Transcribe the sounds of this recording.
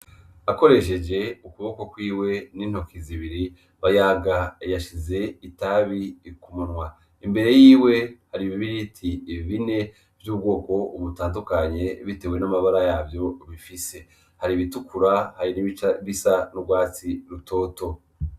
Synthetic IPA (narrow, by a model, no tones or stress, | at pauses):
ako̞ɾe̞ʃe̞d͡ʒe̞ukuβo̞ko̞kwiːwe̞nin̥ho̞kiziβiɾi | βajaɡajaʃize̞itaβikumunwa | imbe̞ɾe̞jiːwe̞haɾiβiβiɾitʰiːβine̞ | vjuːb̚ɡo̞ːko̞uβutaːndukaɲe̞βite̞we̞namaβaɾajaːbjo̞βifise̞ | haɾiβitukʰuɾahaɾiniβisanubɡwaːt͡siɾutʰo̞ːto̞